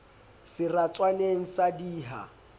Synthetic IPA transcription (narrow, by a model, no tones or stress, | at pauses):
sɪrat͡sʼwaneŋ̩sadiːɦa̰